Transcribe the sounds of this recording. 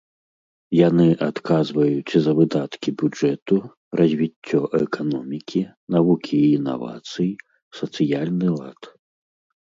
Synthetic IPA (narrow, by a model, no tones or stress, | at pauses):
janɨʔat̪kazvɐjut͡sʲzɐvɨd̪at̪kʲibʲud͡ʐɛt̪u | rʔɐzʲvʲit͡sʲːɔʔɛkanɔmʲikʲʰinavukʲʰiːna̰va̰t̪sɨji | sɐt̪sɨjalʲnɨlˠa̰t̪